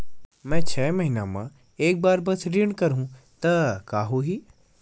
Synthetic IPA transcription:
mɛ̃ːt͡ɕʰɛːmɐɦiːnamã̰ː | eːk̚baːɾbɐt̪ʰɾiːɽ̃kɐɾɦũ | t̪ɐkaːɦoːɦiː

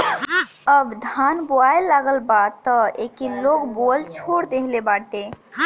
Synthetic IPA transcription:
əbd̪ʱanboaelːaɡəlbat̪ːəekilokbolt͡ʃʰoɽd̪eɦlebaʈ̪e

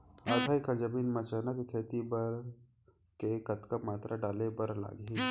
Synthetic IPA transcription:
aːt̪ʰaːikəɾd͡ʒəbiːnmɐt͡ʃəːnakekʰeːt̪ibəɾ | kekɐt̪kəmaːt̪ɾaɖaːlebɐɾla̰ːɡɦẽ

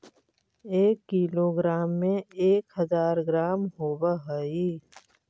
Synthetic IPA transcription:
eːkːiːloːɡɾaːmːẽeːkɦəzaːɾɡɾaːmɦoːbaɦəi

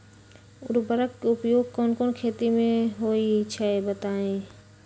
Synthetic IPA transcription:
ʊɾbəɾəkkeʊpjoːɡ̚kɔːnkoːnkʰeːt̪imẽɦoːit͡ʃʰaebət̪aːẽː

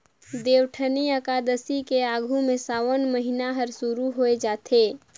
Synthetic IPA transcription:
d̪eːʋʈʰəniəkad̪əsikeaːɡʱumẽsaːwənməɦinaɦəɾsuɾuɦoed͡ʒaːt̪ʰe

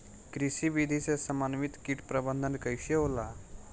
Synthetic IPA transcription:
kɾisiʋid̪ʱisesəmanʋit̪kiʈpɾəbənd̪ʱənkəjɕeola

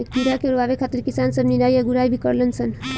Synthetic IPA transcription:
ek̚t̪iɾakeɾoabekʰat̪iɾkisansəbninajeɡuɾajbʱikəɾlənsʰən

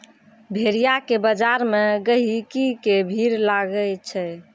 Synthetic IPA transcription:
bʱeɾijakebəd͡ʒaɾmeɡəɦikikebʱiɾlaɡəlt͡ʃʰɛ

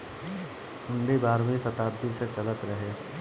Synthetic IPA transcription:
ʊ̃ɳɖibaːɾmĩsɐt̪aːbd̪iset͡ʃɐlət̪ɾɐɦe

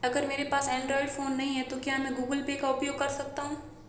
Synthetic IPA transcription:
ɐɡəɾmeːɾepaːsɛ̃ːɳɖɾɔːɪɖfoːnːɐɦĩɦɛ̃t̪okjaːmɛ̃ɡuːɡəlpekaʊpjoːɡ̚kɐɾsɐk̚t̪aɦũː

